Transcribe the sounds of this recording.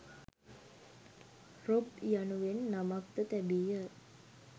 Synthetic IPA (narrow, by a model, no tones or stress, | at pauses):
ropjanuʋenːamak̚t̪ət̪æbijə